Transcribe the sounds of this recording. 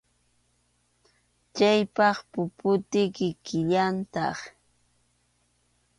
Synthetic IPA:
t͡ʃajpɑχpʊpʊt̪ɪkɪkɪʎant̪ɑ̰χ

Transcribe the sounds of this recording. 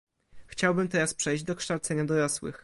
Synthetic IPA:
xt͡ɕawbɘmt̪ɛɾaspʂɛjʑd͡ʑd̪ɔkʂt̪awt̪sɛɲad̪ɔɾɔswɘ̰x

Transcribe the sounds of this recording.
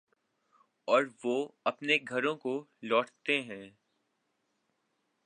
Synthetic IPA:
ɔːɾʋoːɐpneɡʱɐɾõkolɔːʈt̪eɦɛ̃ː

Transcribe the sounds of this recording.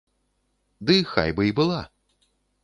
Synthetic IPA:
d̪ɨxa̰jbɨibɨlˠa

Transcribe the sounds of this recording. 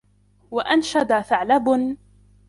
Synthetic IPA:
waʔanʃad̪aθaʕlabʊn

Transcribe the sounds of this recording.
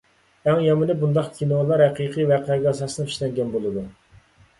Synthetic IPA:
æŋjɑmɨnɨbund̪ɑqkʲʰinolˠɑɾhɛqʰiqʰivɛqʰɛɡʲɑsɑsɨnɨpʰi̥ʃlɛŋɡʲɛnbolˠɨd̪u

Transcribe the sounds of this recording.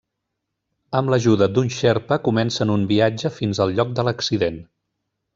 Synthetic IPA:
əmləʒuðəd̪unʲʃɛɾpəkumɛnsənumbiad͡ʒəfinzəlˠʎɔk̚d̪ələksiðen

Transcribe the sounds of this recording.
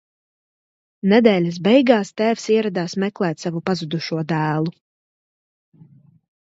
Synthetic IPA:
nɛd̪ɛːlʲas̬bɛjɡaːst̪æːfsiɛɾad̪aːsmɛklˠɛːt̪savupazud̪uʃuɔd̪æːlˠu

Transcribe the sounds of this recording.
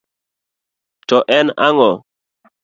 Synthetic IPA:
tɔʔɛnaŋɔ

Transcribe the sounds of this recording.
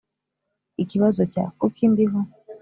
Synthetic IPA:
iciβazoca̰kukʰiːndiɦo

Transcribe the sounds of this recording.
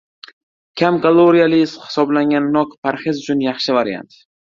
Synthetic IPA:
kʲʰamkʰalˠoɾijalɪshɪ̥sɒblaŋʲanːɒkpʰaɾχɪzʊt͡ʃʰʊnjɑχʃɪvaɾja̰nt̪

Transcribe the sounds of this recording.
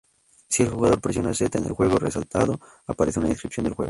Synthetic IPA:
sie̞lxuɣaðo̞ɾpɾesjounaset̪aene̞lxwe̞ɣoresalt̪aðo | apaɾeθjouna̰ĩnskɾipθjo̞nd̪lxwe̞̰ɣo

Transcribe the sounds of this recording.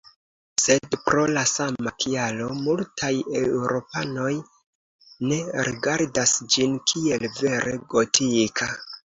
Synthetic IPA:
se̞dpɾo̞lasamakʰialo̞multʰajewɾo̞pano̞j | ne̞ɾʔiɡaɾdasd͡ʒinkʰie̞lve̞ɾʔe̞ɡo̞tʰikʰa

